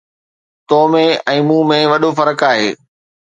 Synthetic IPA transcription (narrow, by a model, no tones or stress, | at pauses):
t̪oːmẽɛ̃ːmũːmẽʋɐɗofɐɾəkaːɦeː